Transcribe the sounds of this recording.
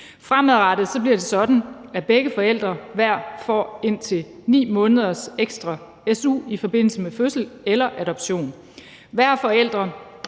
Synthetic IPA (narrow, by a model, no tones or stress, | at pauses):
fʁamæðˠʁɑɾ̥ð̩ˠsɒ̽b̥liɐd̥e̝sɒ̽d̥n̩æb̥eɡ̥əfɒ̽el̰d̥ʁɐʋæɐ̰fɒ̰ːe̝n̰t͡sʰe̝nḭːmɔ̽ːnəð̞ˠɐseɡ̥sd̥ʁɑ̈ | esṵːifɒ̽b̥e̝n̰l̩səmeføsl̩elɐʔæɾ̥ɒ̽b̥ɕo̝̰ːn | ʋæɐ̰fɒ̽el̰d̥ʁɐ